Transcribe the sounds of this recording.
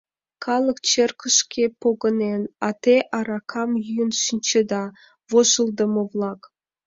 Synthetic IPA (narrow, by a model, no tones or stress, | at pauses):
kʰɑlˠə̆kt͡ɕerkə̆ʃkʰʲepoɡə̆nenɑt̪eʔɑɾɑkʰɑmjyjənʃinʲt͡ɕed̪ɑ | voʃə̆lˠd̪ə̆mə̆vlˠɑk